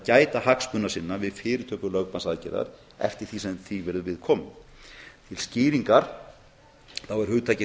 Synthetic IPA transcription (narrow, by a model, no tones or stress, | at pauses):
caːjt̪aɦakspʏnːasɪnːavɪðfɪːɾɪɾt̪ʰœːpʏlœɣpansaðcɛ̰ɾða̰ɾ | ɛ̰ft̪ɪɾ̥θisɛmθivɛːɾðʏvɪðkʰɔːmʏmt̪ʰɪlscɪːɾiŋkaɾ̥ | θawɛɾ̥hʏt̪ʰaːjcɪ